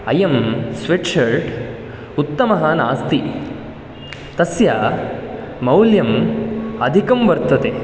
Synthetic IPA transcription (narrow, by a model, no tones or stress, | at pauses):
ɐjɐmsʋeʈʂɐɾɖ | ut̪ːɐmɐɦaːnaːst̪i | t̪ɐsjaː | mɐwljɐmɐd̪ʱikɐmʋɐɾt̪ʰːɐt̪eː